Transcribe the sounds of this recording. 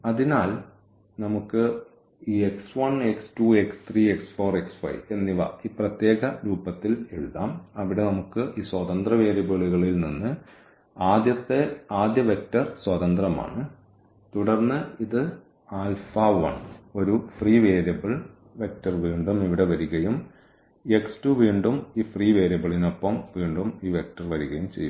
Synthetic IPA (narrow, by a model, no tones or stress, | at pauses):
ɐðinaːl | nɐmukːɨ | iːeksʋɐɳekstuekst̪riːeksfo̞ːreksfɐ̰jʋe̞nːiʋa̰ːiːprɐt̪je̞ːɣɐɾuːbɐt̪ːile̞ɻuðaːmɐʋiɽe̞nɐmukːɨʔiːswɐðɐnd̪rɐʋe̞ːɾjɐbɐɭuɣɐɭilninːɨ | aːd̪jɐt̪ːe̞aːd̪jɐʋek̚tːɐrswɐðɐnd̪rɐma̰ːɳɨ | t̪uɽɐrnːɨiðɨ | aːlfaːʋɐ̰ɳo̞ɾufriːʋeːɾjɐbɐɭ | ʋe̞k̚tɐrʋiːɳɖumiʋiɽe̞ʋɐɾuɣɐjum | e̞kstuʋiːɳɖumiːfriːʋe̞ːɾjɐbɐɭino̞pːɐmʋiːɳɖumiːʋe̞k̚ʈɐrʋɐɾuɣɐjumt͡ɕe̞jːu